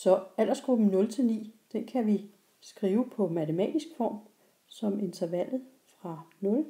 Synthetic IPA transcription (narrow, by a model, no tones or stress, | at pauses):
sɒ̽æl̰ɐsɡ̥ʁub̥m̩nɔ̽lt͡sʰe̝lnḭːd̥enkʰæʋi | sɡ̥ʁiːʊəpʰɒ̽mæt͡sʰemɛ̰ːd̥isɡ̥fɒ̰ːm | sɒ̽me̝nt͡sʰɐʋæl̰ð̩ˠ | fʁɑ̈nɔ̽l